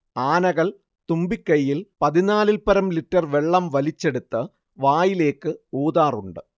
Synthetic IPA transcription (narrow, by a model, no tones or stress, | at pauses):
aːnɐɣɐɭ | t̪umbikːɐjːilpɐðinaːlilpɐɾɐmliʈːɐrʋe̞ɭːɐmʋɐlit͡ɕːe̞ɽut̪ːɨ | ʋaːjile̞ːkːɨoːðaːruɳɖɨ